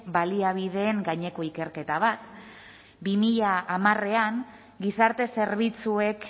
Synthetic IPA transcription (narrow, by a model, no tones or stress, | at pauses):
baliaβ̞iðe̞ːŋɡaɲe̞ko̞ike̞ɾke̞t̪aβ̞at̪ | bimiʎaːmare̞aŋ | ɡisaɾt̪e̞se̞ɾβit͡sue̞k